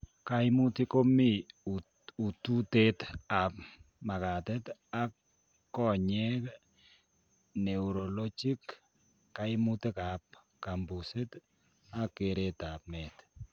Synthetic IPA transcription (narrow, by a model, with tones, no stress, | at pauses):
ka˦imu˦ti˦ko˦mi˦ | u˨tu˦te˦ta˨p | ma˨ka˨tɛ˦ta˦kː | ɔ˦ɲɛ˦k | ne˨u˨ɾo˨lo˦t͡ʃi˦kː | a˨ɪ˦mu˦ti˦ka˨p̚ | ka˨mbu˨se˦t | a˦kːe˨ɾeta˨p̚mɛ˨t